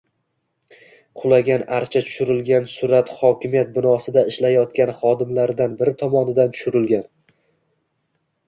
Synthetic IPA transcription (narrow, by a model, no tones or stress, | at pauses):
qʰʊlˠaɡʲanaɾt͡ʃʰat̪ʰʊ̥ʃʊɾɪlɡʲansʊɾat̪χɒkʲɪmijat̪̚bɪnɒsɪd̪aɪʃlajɒt̪kʲanχɒd̪ɪmlaɾɪd̪anbɪɾɪt̪ʰɒmɒnɪd̪ant̪ʰʊ̥ʃʊɾɪlɡʲan